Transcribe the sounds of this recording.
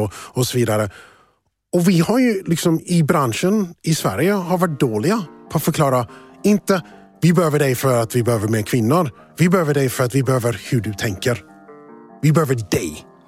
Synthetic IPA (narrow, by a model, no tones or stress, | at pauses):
ɔɔsɔviːd̪aɾə | ɔvɪhaɾjɵlɪksɔmɪbɾanʂənɪsvæ̰ɾjəhaɾvaʈ̚d̪oːlɪɡapʰɔat̪fœɾkʰlɑːɾaɪnt̪ə | vɪbɛhøːvəɖɛjfœɾat̪vɪbɛhøːvəɾmeːkʰvɪnːʊɾ | vɪbɛhøːvəɖɛjfœɾat̪vɪbɛhøːvəɾhɵɖɵt̪ʰɛŋkəɾ | vɪbɛhøːvəɖɛj